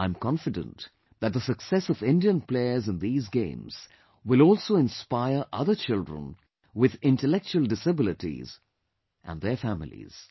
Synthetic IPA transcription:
ãɪ̃mkʰɑ̃nfɨdə̰̃n | ðɨt̪̚ðəsɨksɛsʌvɪ̃ndiə̃npl̥eɪə˞zɨ̃nðiːzɡḛ̃ɪ̃mz̥ | wɪlɔlˠsoɨ̃nspaɪə˞ʔʌðə˞t͡ʃɪlˠdɹə̰̃n | wɪðɪ̃ntəlɛk̚t͡ʃuəlˠdɪsəbɪlɨtḭz̥ | ʔə̰̃nðə˞fæmɪ̰lˠḭz̥

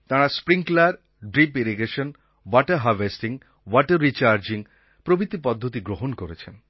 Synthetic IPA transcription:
t̪aɾaspɾiŋklaɾ | ɖɾipiɾiɡeʃon | wɔʈeɾɦaɾʋesʈiŋ | wɔʈeɾːit͡ɕaɾd͡ʑiŋ | pɾobɾit̪ːipɔd̪ʱːot̪iɡɾoɦonkoɾet͡ɕʰen

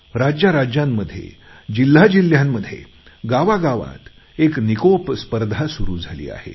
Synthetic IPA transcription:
ɾad͡ʑjaɾad͡ʑjamːəd̪ʱjḛ | d͡ʑil̤ːad͡ʑil̤jamːəd̪ʱːjḛ | ɡaʋaɡaʋã̰t̪ | eknikopspəɾd̪ʱasuɾuːd͡zʱalḭːa̰hḛ

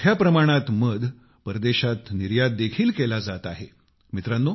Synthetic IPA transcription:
japɾəmaɽ̃at̪məd̪ʱ | pəɾd̪eɕat̪niɾjad̪̚ːekʰiːlkelad͡zat̪aɦe | mit̪ɾanːo

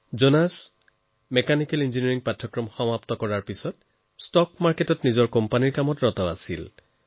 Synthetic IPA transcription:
zonas | mɛkanikɛlinziniɹiŋpatʰːɔkɹɔmxɔmaptɔkɔɹaɹpisɔt̚ | stɔkmaɹketɔtnizɔɹkɔmpaniɹkamɔtɹɔtɔa̰sil

